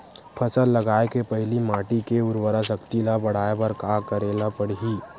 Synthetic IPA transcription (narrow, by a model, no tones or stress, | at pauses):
pʰəsəlːəɡaːekepɐɦɪlimaːʈikeʊɾwəɾəsəkt̪ilabɐɽ̤aːepɐɾkaːkəɾeːlapəɽ̤ɦiː